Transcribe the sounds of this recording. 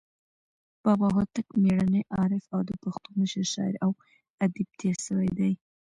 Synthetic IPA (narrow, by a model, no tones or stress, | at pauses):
b̥ɑbɑɦot̪akmeɽanəjʔɑɾɪfawd̪əpaxt̪uməʃəɾʃɑ̰ɪ̰ɾaw | ad̪ib̚t̪ʰeɾʃəwajd̪aj